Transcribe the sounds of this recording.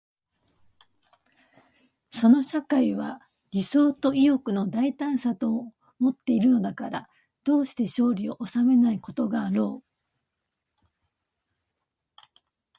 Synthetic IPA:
so̞no̞ɕakaiβa | ɾʲiso̞ːt̪o̞io̞kɯ̟no̞d̪ait̪ãɰ̃sat̪o̞ | mo̞t̪ːe̞iɾɯ̟no̞d̪akaɾa | d̪̥o̞ːɕi̥t̪e̞ɕo̞ːɾʲio̞ʔosame̞naiko̞t̪o̞ɡaːɾo̞ː

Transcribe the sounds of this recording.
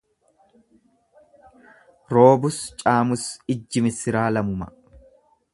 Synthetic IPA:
ɾo̞ːbʊst͡ʃʼaːmʊsɪd͡ʒːɪmɪsɪɾaːlɐmʊmɐ̰

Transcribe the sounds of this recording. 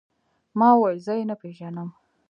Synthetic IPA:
mɑwajzəjenapeʒanəm

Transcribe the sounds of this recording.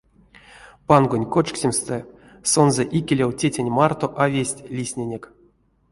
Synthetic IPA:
panɡonʲkot͡ʃksʲimst̪ɛ | sonzɛʔikʲelʲewtʲetʲenʲmart̪o̞ʔavʲesʲtʲlʲisʲnʲenʲekʲ

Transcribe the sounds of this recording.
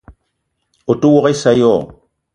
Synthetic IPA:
ot̪uɣʁesajoː

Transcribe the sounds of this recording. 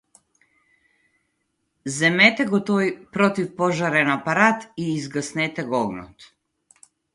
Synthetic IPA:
zɛmɛt̪ɛɡɔt̪oːjpɾɔt̪ifpɔʒaɾɛnapaɾat̪iːzɡasnɛt̪ɛɡɔɡnɔ̰t̪

